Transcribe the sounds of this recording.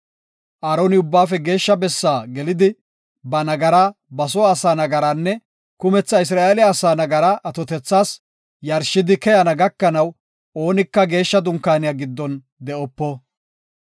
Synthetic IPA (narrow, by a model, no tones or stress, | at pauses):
ʔaːɾoːnɪʊbːaːfɛɡe̞ːʃːɐbɛsːaːɡɛlɪd̪ɪ | bɐnɐɡɐɾabɐsɔːsaːnɐɡɐɾaːnːɛ | kʊmɛt͡sːɐɪs̬ɾaːʔelɪaːsaːnɐɡɐɾaʔɐt̪ɔt̪ɛt͡sːaːs | jɐɾʃːɪd̪ɪkɛjɐnɐɡɐkːɐnɐw | o̞ːnɪkːɐɡe̞ːʃːɐd̪ʊŋkːaːnɪjaːɡɪd̪ːɔn | d̪ɛʔɔpːɔ